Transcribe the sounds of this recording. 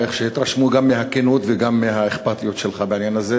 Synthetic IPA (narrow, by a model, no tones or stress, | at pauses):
eχʃehit̪ʁaʃmuɡamːeɦakenut̪veɡamːeɦaeχpat̪ijot̪ʃelχabeʕinjanaze